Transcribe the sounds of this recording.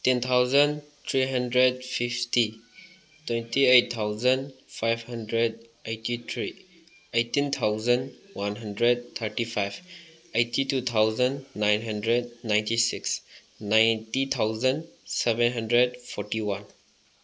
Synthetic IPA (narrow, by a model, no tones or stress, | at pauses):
tent̪ʰawzən | t̪ʰɾiɦəndɾed̚fʰifti | twentʰiejt̚t̪ʰːawzənfʰajbhəndɾed̚ejtit̪ʰɾi | ejtint̪ʰawzənwanɦəndɾed̚t̪ʰəɾtipʰajb | ejtitut̪ʰawzənːajnɦəndɾed̚najntisiks | najntit̪ʰawzənsɛbɛ̃nɦəndɾed̚pʰɔɾtiwan